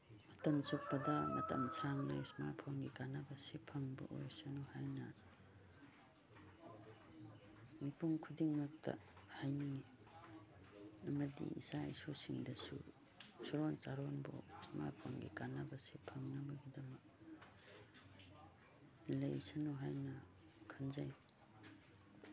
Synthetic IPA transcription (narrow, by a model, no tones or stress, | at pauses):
ɐtɐmsuk̚pɐdɐmɐ̰tɐ̰msʰaŋnɐismapʰonɡikanabasepʰɐŋbɐ̰ʔojsɐnuhajnɐ | mipuŋkʰudiŋmɐk̚tɐ̰hajniŋi | ɐmɐdḭḭsaisosiŋdɐsṵ | sɔɾont͡ʃaɾonbo̰sma̰jpʰo̰ŋɡḭkanabasepʰɐŋnɐbɐɡidɐmɐk̚ | lɐjsanuɦajnɐ | kʰɐnzaj